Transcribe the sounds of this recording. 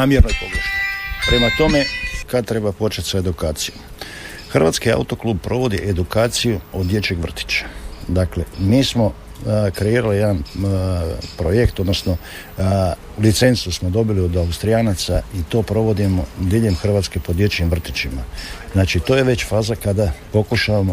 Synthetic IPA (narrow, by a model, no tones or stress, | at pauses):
aːmjeɾnojpoɡoʃt̪opɾemat̪o̞me̞kad̪̚t̪ɾe̞bapo̞t͡ʃet̪ʲsoed̪ukaːt̪siju | xr̩ʋat̪skia̰ut̪o̞kluːb̚pɾo̞ʋo̞d̪iʔed̪ukaːt̪sijuod̪je̞t͡ɕeɡʋr̩t̪i̥t͡ʃḁd̪akle̞miːsmo̞ | kɾe̞iːɾalijed̪an | pɾo̞je̞kt̪o̞d̪no̞sno | lit̪se̞nsusmo̞d̪o̞bilio̞d̪aust̪ɾijaːnat̪sait̪o̞ːpɾo̞ʋo̞d̪imo̞d̪iʎe̞mxrʋaːt̪skepod̪je̞t͡ɕimʋr̩t̪it͡ɕimaznaːt͡ʃit̪o̞jeʋe̞t͡ɕfaːzakad̪apo̞kuʃaʋamo